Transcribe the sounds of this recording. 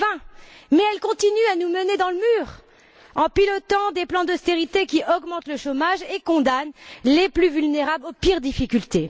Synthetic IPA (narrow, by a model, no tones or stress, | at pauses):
vɛ̃mɛɛlkɔ̃t̪inyanuməned̪ɑ̃ləmyːʁ | ɑ̃pilɔt̪ɑ̃d̪eplɑ̃d̪ɔst̪eʁit̪ekʲiʔɔɡmɑ̃t̪ləʃomaʒekɔ̃d̪anleplyvylneʁablopiʁd̪ifikʲylt̪e